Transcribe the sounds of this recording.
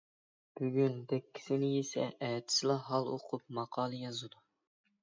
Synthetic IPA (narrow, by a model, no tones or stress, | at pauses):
b̥yɡʲynd̪ɛkʲʰːi̥sɪnɪjesɛ̰ʔɛt̪ʰɪ̥slˠɑɦɑlˠo̰qʰʊp̚mɑqʰɑːlˠɨjɑzɨd̪u